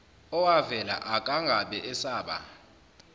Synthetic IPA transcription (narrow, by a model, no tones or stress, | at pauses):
ɔwavɛla̰ʔakʼaŋɡʱaɓɛʔɛsaːɓa̰